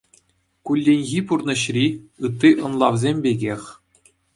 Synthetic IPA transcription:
kulʲːenʲɣʲipurnɤ̆ɕrʲiɯt̪ːiʔɤ̆nlˠɑʋzʲemʲbʲeɡʲexʲ

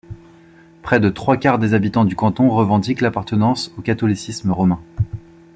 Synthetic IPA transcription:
pχɛd̪ət̪χwakaʁd̪ezabit̪ɑ̃d̪ykɑ̃t̪ɔ̃ʁəvɑ̃d̪iklapaʁt̪ənɑ̃sokat̪ɔlisisməʁɔmɛ̃

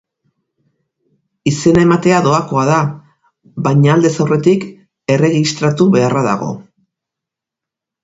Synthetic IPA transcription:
ise̞nae̞mat̪e̞aðo̞ako̞aða | βajɲaːld̪e̞sawre̞t̪ik | e̞re̞ɣist̪ɾat̪uβe̞araða̰ɣ̞o̞̰

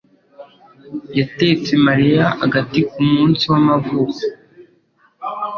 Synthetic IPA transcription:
jate̞t͡semaɾijaa̰ɡatikumŋuːnsiwamavukḁ

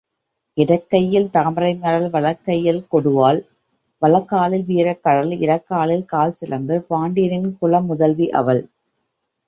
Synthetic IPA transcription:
ʔɪɽɐkːɐjːɪlt̪aːmɾɐɪnːɐɽɐlʋɐɭɐkːɐjːɪlkɔɽɯʋaːl | ʋɐɭɐkːaːlɪlʋiːɾɐkːɐɽɐlɪ̰ɽɐkːaːlɪlkaːlsɪɾɐnd̪ɯpaːɳɖɪjɐɾɪnkʊɭɐmːʊðɐlʋiʔɐ̰ʋɐl

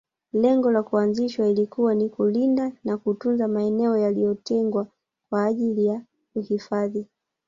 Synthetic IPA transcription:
lɛŋɡɔlakuanziʃwailikuwanikulindanakutunzamaɛnɛɔjalijɔtɛŋɡwa | kwaːʄilija | uhifaði

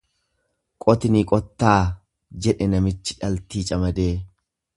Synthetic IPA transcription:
kʼɔt̪ɪniːkʼɔt̪ːaː | d͡ʒɛᶑɛnɐmɪt͡ʃːɪ̥ᶑɐlt̪iːt͡ʃʼɐmɐd̪eː

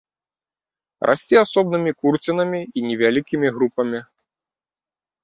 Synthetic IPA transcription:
rʔa̰sʲt͡sʲiasɔbnɨmʲikurt͡sʲinɐmʲiinʲɛvʲalʲikʲimʲiɣɾupɐmʲi

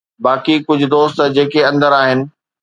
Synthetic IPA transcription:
baːkikʊd͡ʑʱʊ̆d̪oːst̪d͡ʑeːkeɐ̃nd̪əɾaːɦɪnɪ̆

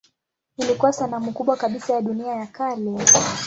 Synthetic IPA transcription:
ilikuwasanamukuɓwakaɓisajaɗuniajakalɛ

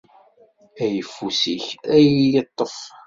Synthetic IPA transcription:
æjəfːusiçæjijət̪ˤːəf

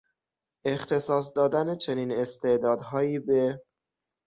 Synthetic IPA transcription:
ext̪ʰe̞sɒːs̬d̪ɒːd̪ænet͡ʃʰeniːne̞st̪ʰe̞ʔd̪ɒːd̪ɦɒːjiːbe

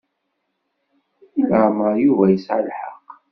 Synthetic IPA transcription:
iləməɾjuvæjəsʕalħɑ̰qː

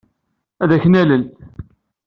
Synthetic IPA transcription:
æðæçnæləl

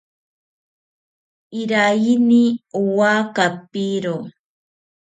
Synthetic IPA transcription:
iɾajiniuwakapiɾo

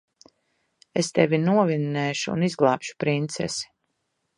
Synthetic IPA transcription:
est̪ɛvʲinuɔvinːɛːʃuṵnizɡlˠaːpʃu̥pɾint̪sɛ̰si̥

